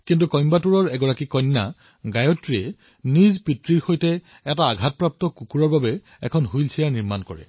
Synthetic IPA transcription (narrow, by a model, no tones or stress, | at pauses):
kint̬ukɔjmbatuɹɔɹɛɡɔɹakikɔnːa̰ | ɡajɔtɹiɛ | nizpitɹiɹxojtɛ | ɛtaːɡʱat̚pɹap̚tɔkukuɹɔɹbabɛ | ɛ̰kʰɔnɦujlsʰijaɹniɹmankɔ̰ɹɛ̰